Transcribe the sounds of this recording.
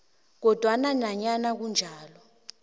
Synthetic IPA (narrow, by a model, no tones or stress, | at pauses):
k̬ɔd̥ʱwananaɲanak̬und͡ʒʱaːlɔ